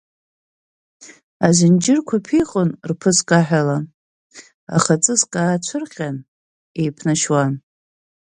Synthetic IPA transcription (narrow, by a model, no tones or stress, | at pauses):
azɪnd͡ʒɪrkʷʰapʰijχʼonrpʰɨskʼaħʷᶣala | a̰χat͡sʼɨskʼaːt͡ʃʷʰɨrqʲan | e̞jpʰnaʃwan